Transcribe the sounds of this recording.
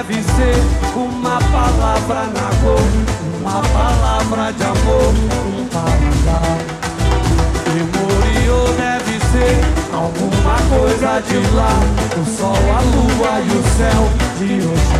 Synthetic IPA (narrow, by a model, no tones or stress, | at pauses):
viseɾũmɐpalavɾɐnaɡoɾũmɐpalavɾɐd͡ʒɪamoɾĩpaɾid̪a | emoɾioneviseɾa̰wɡũmɐkojzɐd͡ʒɪlaɾõsɔwaluɐdʊsɛwd͡ʒɪos